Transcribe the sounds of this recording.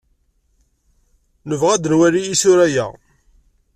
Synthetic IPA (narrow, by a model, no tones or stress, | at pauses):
nəvʁæd̪ənwæɾijisʊɾæjæ̰